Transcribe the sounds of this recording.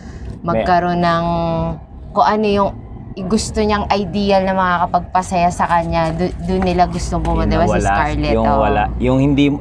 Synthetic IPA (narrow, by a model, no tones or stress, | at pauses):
mɐɡ̚kɐɾo̞nɐŋ | koŋʔɐno̞jʊŋ | ɪɡʊst̪oɲaŋʔɐjd̪ijɐlnɐmɐŋakɐpɐɡ̚pɐsɐjasɐkɐɲːad̪d̪ʊnːɪlaɡʊst̪oŋbʊmɐd̪ɛwɐskɐɹlɛt̪owɐla̰jʊŋhɪnd̪i